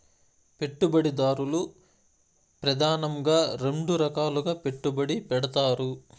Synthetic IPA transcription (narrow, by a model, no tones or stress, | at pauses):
pe̞ʈːubɐɽid̪aːɾulu | pɾɐd̪ʱaːnɐŋɡaːɾe̞ɳɖuɾɐkaːluɡaːpe̞ʈːubɐɽipɛɽɐt̪aːɾu